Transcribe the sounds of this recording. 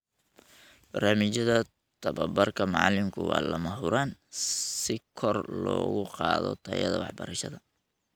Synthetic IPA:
b̥ɐrnaːmɪt͡ʃɐðɐ | t̪ʰɐβɐbɐrkʰɐmɑʕlɪmkʰʊ̰wɑ̰ːlɐmɐɦʊɾaːnsɪkʰɔrlɔːɣʊqɑːðɔ̰t̪ʰɐjɐ̰ðɐwɑ̰ħbɐɾɐʃɐðɐ

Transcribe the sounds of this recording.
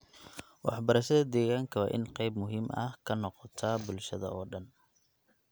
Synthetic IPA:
wɑ̰ħbɐɾɐʃɐðɐd̪ɛːɣaːŋkʰɐwɑːʔɪ̰nqɛjbmʊɦiːmʔɐ̰hkʰɐnɔqɔt̪ʰaːbʊlʃɐðɐ̰ɔːɖɐn

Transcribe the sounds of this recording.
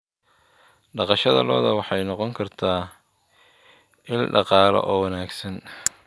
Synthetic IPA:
ɖɑqɑʃɐðɐ̰lɔ̰ːðɐwɑħɑjnɔqɔŋkʰɐrt̪ʰaː | ʔɪnɖɑqɑːlɔ̰ʔɔːwɐnaːɡsɐn

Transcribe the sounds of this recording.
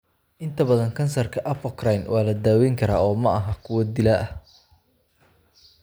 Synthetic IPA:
ʔɪnt̪ʰɐbɐðɐŋkʰɐnsɐrkʰɐʔɐfɔkrajnwɑːlɐd̪aːwɛŋkʰɐɾaːɔːmɐʔɐɦɐkʰʊwɐd̪ɪlɐʔɐ

